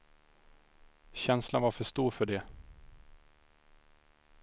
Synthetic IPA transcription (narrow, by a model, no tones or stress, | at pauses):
ɕɛnslanvaɾfœʂt̪uːɾfœɖɛ